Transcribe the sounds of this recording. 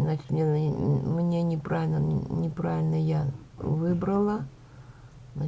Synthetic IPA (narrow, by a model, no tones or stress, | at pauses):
znat͡ɕɪ̥t̪mnʲemnʲe̞nʲɪpɾʔavʲɪlʲnənʲɪpɾavʲɪlʲnəja | vɨbɾəlˠə | zna